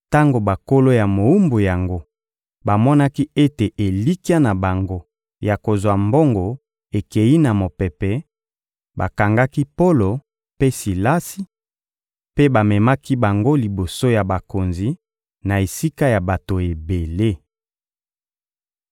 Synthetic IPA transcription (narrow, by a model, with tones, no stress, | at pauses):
ta˦ŋɡo˨ba˨ko˦lo˦ja˨mo˨u˦mbo˨ja˨ŋɡo˦ | ba˨mɔ˦na˦ki˦e˦te˨ʔe˨li˦ka˦na˨ba˨ŋɡo˦ | ja˨ko˨zwa˨mbo˦ŋɡo˨ | e˨ke˨ji˦na˨mo˨pɛ˨pɛ˨ | ba˨ka˨ŋɡa˦ki˦po˦lo˨ | pe˦si˨la˦si˨ | pe˦ba˨mɛ˨ma˦ki˦ba˨ŋɡo˦li˨bo˨so˦ja˨ba˨ko˨nzi˨ | na˨e˨si˦ka˦ja˨ba˨to˨e˨be˨le˦